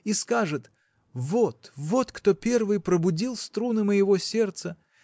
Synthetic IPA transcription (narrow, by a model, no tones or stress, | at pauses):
iskaʐɨt̪ | vot̪vo̞t̪kt̪o̞pʲe̞rvɨjpɾəbʊdʲilˠst̪ɾunɨməjɪvo̞sʲe̞rt̪sə